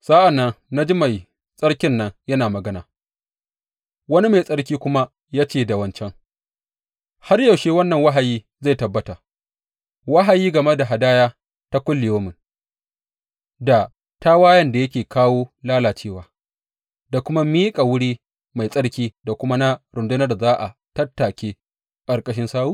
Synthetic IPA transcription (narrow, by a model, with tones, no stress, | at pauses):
sʼa˦ʔa˨nːɐ˦ŋna˦d͡ʒi˦ma˨j | sʼɐ˦ɽkʲɪ˦nːɐ˦ŋjɐ˦naː˨mɐ˨ɡɐ˦naː˨ | wɐ˦ni˦ma˨jsʼɐ˦ɽkʲiː˦kʷʊ˦ma˦ | jaː˦t͡ʃeː˨da˨wɐ˨nt͡ʃɛ˦ŋ | ha˦rja˨wʃeː˦wɐ˦nːɐ˨ŋwa˦ɦa˨jiː˦ | za˦˨jtɐ˨bːɐ˦ta˨ | wa˦ɦa˨jiː˦ɡɐ˨mɐ˦da˨ɦa˨daː˦jaː˦ | ta˦kʷʊ˦lːɪ˨joː˦mʊ˨n | da˨ | ta˦waː˦jɐ˦nda˨jɐ˦kʲeː˨kʰaː˦woː˦laː˦laː˨t͡ʃeː˦˨waː˨ | da˨kʷʊ˦ma˦miː˦kʼa˨wʊ˦ɽiː˦ | ma˨jsʼɐ˦ɽkʲiː˦da˨kʷʊ˦ma˦na˦ɾʊ˨ndʊ˦nɐ˦rzaː˦ʔa̰˨tɐ˦tːa˨kʲeː˦ | kʼɐ˨rkʼɐ˦ʃ̬ɪ˦nsaː˦wuː˦